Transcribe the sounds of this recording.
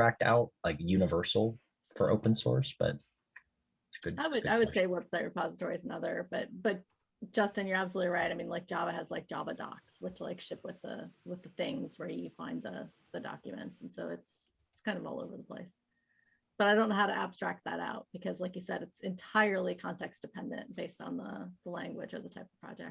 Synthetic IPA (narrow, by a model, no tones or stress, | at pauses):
ɹæk̚ta̰ʊt̚laɪkjʉnɨvɜ˞sl̩ˠ | fə̰˞ʔo̰ʊpn̩sɔ̰ɹsb̥ʌ̰t̚ | ɡ̥ʊd̚aɪwɨdaɪwɨd̥seɪwɛb̥saɪt̚ɹɨpʰɑzətʰɔɹiznʌðə˞b̥ʌt̚b̥ʌt̚ | d̥ʒ̥ʌstɨ̃njə˞æb̥s̬lutˡliɹaɪɾaɪmĩnlaɪk̚d̥ʒ̥ɑbɨɨzlaɪk̚d̥ʒ̥ɑvədɑ̰kswət͡ʃla̰ɪkʃɪp̚wɨðə̰wɨðɨθɪ̃ŋzwə˞jɨfã̰ɪ̃nðə̰ | ðɨdɑ̰kjɨmɨ̰̃ntsn̩soʊɨts | ɪtkʰãɪ̃ndʌvɔ̰lˠo̰ʊvə̰˞ðəpʰl̥ḛɪs | b̥ʌɾaɪõʊ̃nːoʊɦʊɾɨʔæb̥stɹ̥æk̪̚ðɨ̰ɾa̰ʊt̚b̥ɨkʰʌzlaɪkjɨsɛɾɨtsɨ̃ntʰaɪə˞lˠikʰɑ̃ntʰɛksd̥ɨpʰɛ̃ndɨ̰̃nt̚b̥eɪstn̩ðə̰ðəlæ̃ŋɡwɨ̰d͡ʒə̰˞ðətʰaɪpʌv̥pʰɹ̥ɑ̰d͡ʒɛ̰k̚